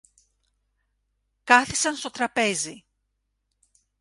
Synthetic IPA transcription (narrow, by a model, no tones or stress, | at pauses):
kɐθisɐnst̪o̞t̪ɾɐpe̞zi